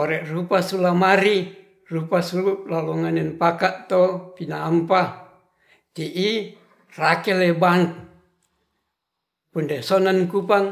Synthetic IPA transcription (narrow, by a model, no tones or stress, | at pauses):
oɾɛʔrupasulamaɾi | rupasuluʔlaloŋanɛnpakaʔt̪opinaːmpa | t̪iʔi | rakɛlebaŋk | pundesonankupaŋ